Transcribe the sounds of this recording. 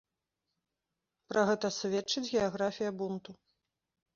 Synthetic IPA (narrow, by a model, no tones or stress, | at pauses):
pɾʔɐɣɛt̪ɐsʲvʲɛt͡ʂːɨt͡sʲɣʲɛaɣɾafʲijɐbunt̪u